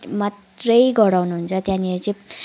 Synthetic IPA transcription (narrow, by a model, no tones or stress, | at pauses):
mat̪rəjɡʌɽawnuɦunt͡sʰʌt̪jãnieɾt͡sẽ